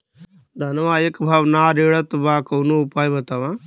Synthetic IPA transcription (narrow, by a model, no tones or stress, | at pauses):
d̪ʱɐnʋaːekbʱaːʋnaɾeːɭət̪baːkɐwnoupaːjbɐt̪aːʋã